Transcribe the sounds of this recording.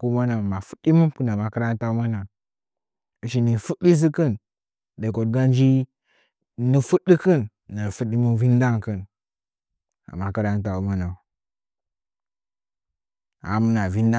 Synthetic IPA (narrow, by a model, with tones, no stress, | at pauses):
ku˦ma˦na˨ma˨fu̥˦di˦mu˦pu˦na˨ma˨kə˦ɾa˦n˦ta˦u˦ma˦na˨ | i˨ʃi˨ni˨fu˦ɗi˦s̬i˦kə˦n | de˨ko˨dɡa˦nd͡ʒi˦ | nə˨fu˦di˦kə˦nː | a˨fu˦ɗi˦mu˦vi˦n˦da˦ŋkɨ˦n | a̰˨ma˨kə˦ɾa˦n˦ta˨u˦ma˦na˨ | a̰˨mu˦na˨vi˦n˦da˦